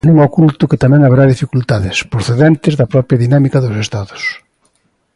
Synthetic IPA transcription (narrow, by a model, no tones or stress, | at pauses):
nuŋokult̪ʊkɪt̪amɛ̃ŋaβeɾaðifikult̪aðɪspɾoθeðɛnt̪ɪzðɐpɾɔpɾjɐðinamikɐðʊsest̪aðʊs